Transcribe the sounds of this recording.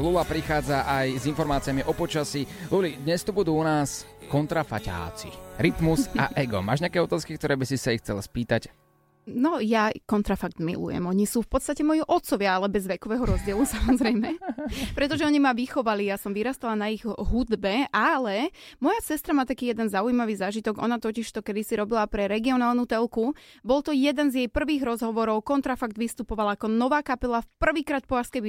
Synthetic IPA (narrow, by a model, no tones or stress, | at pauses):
lulapɾixaːd͡zaʔajzinfɔɾmaːt͡sɪamiʔɔpɔt͡ʃasilulid̪ɲɛst̪ubud̪uːunaːs | kɔnt̪ɾafa̰ca̰ːt͡sḭɾit̪musaʔɛɡɔ̰ma̰ːʒɲɪakɛːɔt̪aːskik̚t̪ɔɾɛːbisisaixt͡sɛ̰lspiːt̪ac | nɔjakɔnt̪ɾafaɡ̚d̪mḭlṵjɛ̰mɔɲisuːfpɔt̪st̪acɛmɔjiʔɔt̪t͡sɔʋɪaalɛbɛzʋɛkɔʋɛːɦɔɾɔzɟɪɛlusamɔzɾɛjmɛpɾɛt̪ɔʒɛɔɲimaʋixɔʋalijasɔmʋiɾast̪alanaiɣɦud̪bɛʔalɛmɔjasɛst̪ɾamaːt̪akiːjɛd̪ɛnzaujimaʋiːzaːʒit̪ɔɡɔ̰nat̪ɔciʃt̪ɔkɛd̪isiɾɔbilapɾɛɾɛɡiɔnaːlˠnut̪ɛlkubɔlˠt̪ɔjɛd̪ɛnzjɛjpr̩ʋiːɣɾɔzɦɔʋɔɾɔʊkɔnt̪ɾafaɡd̪ʋist̪upɔʋalaakɔnɔʋaːkapɛlafpr̩ʋiːkɾaːt̪̚pɔaskɛ